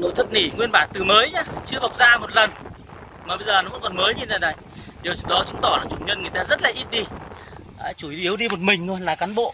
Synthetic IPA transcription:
no̰˧˨jt̪ʰɨ˦˥k̚ni˧˩ŋwi˧ənɓaː˧˩nt̪ɨ˨˩məː˨˦jɲaː˨˦t͡ɕɨ˧əva˨˩wk͡p̚zaː˧mo˨˩t̚lə˨˩n | maː˨˩ɓə˧jzəː˨˩nɔ˨˦və̰˧˥nkɔ˨˩nməː˨˦jɲi˧naː˨˩ɗa˨˩j | ɗi˨˩əwt͡ɕɨ˧˩ɗɔ˨˦t͡ɕɨ˨˦ŋ͡mt̪ɔ˧˩laː˨˩t͡ɕu˧˩ŋ͡mɲə˧nŋɨ˨˩əjt̪aː˧zə˦˥t̚laː˨˩ʔi˦˥t̚ɗi˧ | ʔaː˨˦t͡ɕu˧˩˨ʔi˨˦əwɗi˧mo˨˩t̚mï˨˩ŋ̟lo˧jlaː˨˩kaː˨˦nɓo̰˧˨ʔ

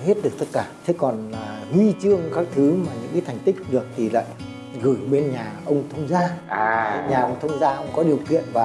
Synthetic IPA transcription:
he˦˥t̚ɗɨ˨˩ək̚t̪ə˦˥t̚kaː˧˩t̪ʰe˨˦kɔ˨˩naː˨˩ɣwi˧t͡ɕɨ˧əŋkaː˦˥k̚t̪ʰɨ˨˦maː˨˩ɲɨ̰˧˥ŋkaː˨˦t̪ʰa˨˩ŋ̟t̪ï˦˥k̟̚ɗɨ˨˩ək̚t̪ʰi˨˩la̰ː˧˨j | ɣɨ˧˩ɓe˧nɲaː˨˩ʔə˧wŋ͡mt̪ʰə˧wŋ͡mzaː˧˨˩ | ɲaː˨˩ʔə˧wŋ͡mt̪ʰə˧wŋ͡mzaː˧ʔə˧wŋ͡mkɔ˨˦ɗi˨˩əwkḭ˧˨ənvaː˨˩

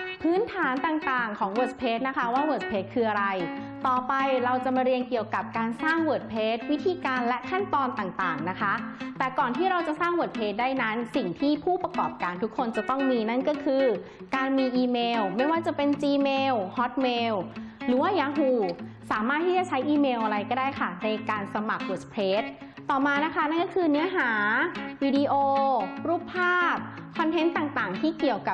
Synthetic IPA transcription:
pʰɯː˦˥nt̪ʰaː˩˦nt̪aː˨˩ŋt̪aː˨˩ŋkʰɔː˩˦ŋwoː˨˩t̚spʰeː˦˥t̪̚na˦˥kʰa˦˥waː˥˩woː˨˩s̚pʰeː˦˥t̪̚kʰɯː˧ʔa˧ɾa˧j | t̪ɔː˨˩pa˧jɾa˧wt͡ɕa˨˩maː˧ɾi˧ənki˨˩əwka˨˩p̚kaː˧nsaː˥˩ŋwoː˨˩t̪̚pʰeː˦˥t̪̚wi˦˥t̪ʰiː˧kaː˧nlɛ˦˥ʔkʰa˥˩nt̪ɔː˧nt̪aː˨˩ŋt̪aː˨˩ŋna˦˥kʰa˦˥ʔt̪ɛː˨˩kɔː˨˩nt̪ʰiː˥˩ɾa˧wt͡ɕa˨˩saː˥˩ŋwu˨˩t̪̚pʰeː˦˥t̪̚daː˥˩jna˦˥nsi˨˩ŋt̪ʰiː˥˩pʰuː˥˩pɾa˧kɔː˨˩p̚kaː˧nt̪ʰu˦˥kʰːo˧nt͡ɕa˨˩t̪ɔ˥˩ŋmiː˧na˥˩nkɔː˥˩kʰɯː˧ | kaː˧nmiː˧ʔiː˧meː˧wma˥˩jwaː˥˩t͡ɕa˨˩pe˧nt͡ɕiː˧meː˧whɔ˦˥t̪̚meː˧wɾɯː˨˩˦waː˥˩jaː˧˥ɦuː˧˩saː˩˦maː˥˩t̪ʰːiː˥˩t͡ɕa˨˩t͡ɕʰa˦˥jʔiː˧meː˧wʔa˧ɾa˧jkɔː˥˩daː˥˩jkʰa˥˩na˧jkaː˧nsa˧ma˨˩k̚bu˨˩t̪̚pʰeː˦˥t̪̚ː | ɔː˨˩maː˧na˦˥kʰa˦˥na˥˩nkɔ˥˩kʰɯː˧nɯ˦˥ɐɦaː˩˦wiː˧di˧ʔoː˧ɾuː˥˩pʰːaː˥˩p̚kʰɔ˧nt̪ʰe˦˥nt̪aː˨˩ŋt̪aː˨˩ŋt̪ʰiː˥˩ki˨˩əwka˨˩p̚

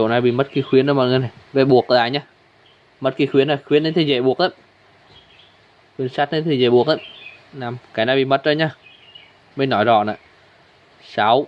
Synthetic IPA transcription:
o̰˧˨naː˨˩jɓḭ˧˨mə˦˥t̚ki˨˧˦xwi˨˦ənːɗə˧˦mɔ˨˩ŋ˨˧˨na˨˩jve˨˩ɓu˨˩ək̚ə˨˧˨aː˨˩ɲaː˧ | mə˦˥t̚ki˨˧˦xwi˨˦əna˨˩jxwi˨˦ənə˨˦jt̪ʰi˨˩ze˧˩ɓu˨˩ək̚ʔə˨˧˦j | xwi˨˦ənsaː˦˥t̚nə˨˦jt̪ʰi˨˩ze˧˩ɓu˨˩ək̚ʔə˧˦jnaː˨˩mkaː˨˦jnaː˨˧˩ɓḭ˧˨mə˦˥t̚zə˧˦jɲaː˧ | ɓe˧jnɔ˨˦jzɔ̰˧˨na̰˧˨j | sa˨˦w

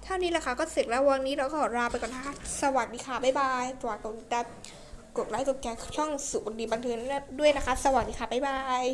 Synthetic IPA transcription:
t̪ʰa˥˩wniː˦˥lɛ˨˩kʰa˧˥˩kɔː˥˩se˨˩k̚lɛ˦˥wa˧ŋnːiː˦˥ɾa˧wkɔː˥˨˩ɾaː˧pa˧jkɔː˨˩nt̪ʰa˥˩a˥sa˧wa˨˩k̚diː˧˩kʰaː˧˩pa˧˥˩jbaː˧jt̪aː˨˩t̪o˧niː˦˥t̪aː˧˩ | ko˨˩t̪̚laː˨˧˥jk̪o˨˩t̪̚kɛː˧˩t͡ɕʰɔ˥˩ŋsu˨˩o˧ndiː˧˩ba˧nt̪ʰɯː˧ŋ˦˥˩du˥˩əjna˦˥kʰa˦˥sa˧waː˨˩k̚diː˧xʰaː˧˩pa˧˩jbaː˧j

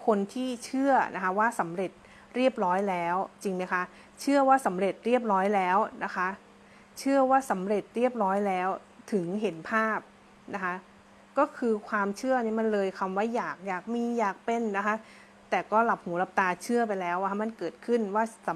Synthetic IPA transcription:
kʰo˧nt̪ʰiː˥˩t͡ɕʰɯ˥˩ɐnʔa˦˥kʰa˦˥waː˥˩sa˩˦mɾe˨˩t̪̚ | ɾi˥˩əp̚ɾɔː˦˥jlɛː˦˥wt͡ɕi˧ŋma˦˥kʰa˦˥ | t͡ɕʰɯ˥˩ɐwaː˥˩sa˩˦mɾe˨˩t̪̚ɾi˥˩əp̚ɾɔː˦˥jlɛː˦˥wna˦˥kʰa˦˥ | t͡ɕʰɯ˥˩ɐwaː˥˩sa˩˦mɾe˨˩t̪̚ɾi˥˩əp̚ɾɔː˦˥jlɛː˦˥w | t̪ʰɯ˩˦ŋɦe˩˦npʰaː˥˩p̚ | na˦˥kʰa˦˥ | kɔː˥˩kʰɯː˧kʰwaː˧mt͡ɕʰɯ˥˩ɐniː˦˥˩ma˧˨nlɤː˧jkʰa˧mwaː˥˩jaː˨˩k̚jaː˨˩k̚miː˧jaː˨˩k̚pe˧nːa˦˥kʰa˦˥ | t̪ɛː˨˩kɔː˥˩la˨˩p̚huː˩˦la˦˥p̚t̪aː˧t͡ɕʰɯ˥˩ɐp̬a˧jlɛː˦˥wʔa˧a˦˥ma˧˨nkɤː˨˩t̪̚kʰɯ˥˩nwaː˥˩sa˩˦

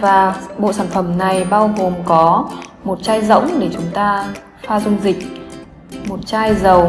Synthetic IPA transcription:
vaː˨˩ɓo̰˧˨saː˧˩nfə˧˩mna˨˩jɓaː˧wɣo˨˩mkɔ˨˦ | mo˨˩t̚t͡ɕaː˧jzə̰˧˥wŋ͡mɗe˧˩t͡ɕʊ˨˦ŋ͡mt̪aː˧ | faː˧zʊ˧ŋ͡mzï˨˩k̚ | mo˨˩t̚t͡ɕaː˧jzə˨˩w

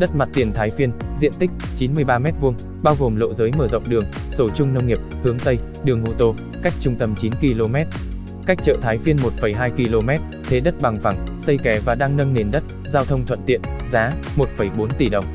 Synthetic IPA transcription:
ɗə˦˥t̚ma˨˩t̚t̪i˨˩ənt̪ʰaː˨˦jfi˧ənzḭ˧˨ənt̪ï˦˥k̟̚t͡ɕi˨˦nmɨ˧əjɓaː˧mɛ˦˥t̚vu˧əŋ | ɓaː˧wɣo˨˩mlo̰˧˨zəː˨˦jməː˧˩zə̰˧˨wŋ͡mɗɨ˨˩əŋ | so˧˩t͡ɕʊ˧ŋ͡mnə˧wŋ͡mŋi˨˩əp̚hɨ˨˦əŋt̪ə˧j | ɗɨ˨˩əŋʔo˧t̪o˧ | ka˦˥jk̟̚t͡ɕʊ˧ŋ͡mt̪ə˧mt͡ɕi˨˦nki˧lo˧mɛ˦˥t̚ | ka˦˥k̚t͡ɕə̰ː˧˨t̪ʰaː˨˦jfi˧ənmo˨˩t̚fə˧˩jɦaː˧jki˧lo˧mɛ˦˥t̚ | t̪ʰe˨˦ɗə˦˥t̚ɓa˨˩ŋfa˧˩ŋsə˧jkɛ˨˦vaː˨˩ɗaː˧ŋnə˧ŋne˨˩nɗə˦˥t̚ | zaː˧wt̪ʰə˧wŋ͡mt̪ʰwə̰˧˨nt̪ḭ˧˨ənzaː˨˦mo˨˩t̚fə˧˩jɓo˨˦nt̪i˧˩ɗə˨˩wŋ͡m

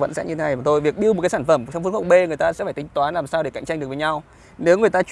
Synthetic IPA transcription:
və̰˧˨nsɛ̰˧˥nɲɨ˧t̪ʰe˨˦na˧˩jaː˨˩t̪ʰo˧jvi˨˩ək̚ɗi˧əmo˨˩kaː˨˦jsaː˧˩fə˧˩mt͡ɕwŋ͡mfu˧˦xə˧˩wɓe˧ŋɨ˨˩əjt̪aː˧sɛ̰˧˥faː˧˩jt̪ï˨˦ŋt̪waː˨˦nlaː˨˩msaː˧wɗe˧˩ka̰˧˨jŋ̟t͡ɕa˧jŋɗɨ˨˩ək̚və˨˦ɲa˧w | ne˨˦wŋɨ˨˩jt̪aː˧t͡ɕ

